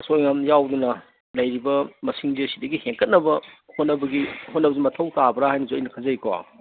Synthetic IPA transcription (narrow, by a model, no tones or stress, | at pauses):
sojŋɐmjawdunɐ | lɐjɾibɐmɐsiŋdisidɐɡiheŋkɐt̚nɐbɐhotnɐbɐɡiɦotnɐbɐzimɐtʰɐwtabɐɾaɦajnɐzuɐjnɐkʰɐzɐika̰